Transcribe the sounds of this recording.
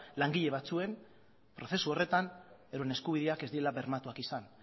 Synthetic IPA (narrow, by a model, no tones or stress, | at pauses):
laŋɡiʎe̞β̞at͡sue̞n | pɾo̞θe̞suo̞re̞t̪aneðoene̞skuβ̞iðeake̞zd̪ielaβe̞ɾmat̪uakisan